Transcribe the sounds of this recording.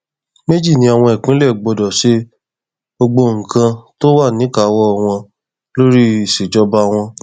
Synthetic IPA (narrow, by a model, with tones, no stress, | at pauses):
me˦d͡ʒi˦˨nĩ˧˦a˨w̃ɔ̃˧ɛ˨kũ˨˦lɛ˦˨ɡ͡bɔ˨˧dɔ˨ʃe˦ | bo˧ɡ͡bo˧ŋ̩̃˨kã˧to˦wa˦˨nĩ˨˦ka˨˦wɔ˦˨w̃ɔ̃˧ | lo˦ɾi˦˨se˨d͡ʒɔ˦ba˧w̃ɔ̃˧